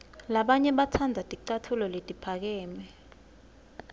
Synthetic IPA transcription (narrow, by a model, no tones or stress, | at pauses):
laɓaɲɛɓatʰandʱatʼiǃatʰulɔletʼipʰak̬ɛːmɛ